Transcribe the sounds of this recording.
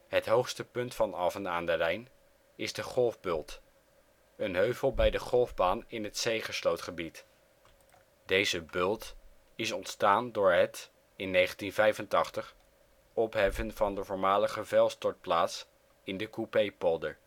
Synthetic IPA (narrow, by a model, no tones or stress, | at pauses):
ɦətɦowχstəpɵntfɑnɑfəna̰ːndərɛjn | ɪzdəχɔlˠvbʏlˠt | ənɦøɥvəlˠbɛjdəχɔlˠvbaːnɪnɦətsejχəslowtχəbit | dejzəbɵlˠt | ɪsɔntstaːndʊːɹɦət | ɪnːejχəntinvɛjvəntɑχtəχ | ɔpɦɛfənv̥ɑndəvɔːɹmaːləχəvɛlˠstɔɹt̚plaːts | ɪndəkupejpɔlˠdəɹ